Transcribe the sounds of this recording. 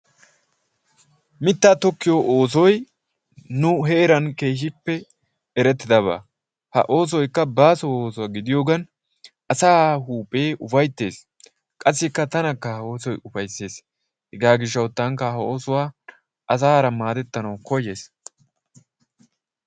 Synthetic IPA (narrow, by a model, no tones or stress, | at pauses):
mɪt̪ːaːt̪ɔkːɪjoʔoːs̬ɔj | nʊɦɛɛɾɐnke̞ːʃ̬ɪpːɛ | ɛɾɛt̪ːɪd̪ɐβa̰ː | hɐ̰ʔo̞ːs̬ɔjkːɐbaːsɔoːsʊwaːɡɪd̪ɪjo̞ːɡɐn | ɐsaːɦuːpʼe̞ːʔʊfɐjt̪ːe̞ːs | kʼɐs̬ːɪkːɐt̪ɐnɐkːɐhɐo̞ːsɔjʊfɐjsːe̞ːs | hɛɡaːɡɪʃ̬ːɐwt̪ːaŋkːɐhɐo̞ːsʊwaː | ʔɐs̬aːɾɐmaːd̪ɛt̪ːɐnɐwkɔjeːs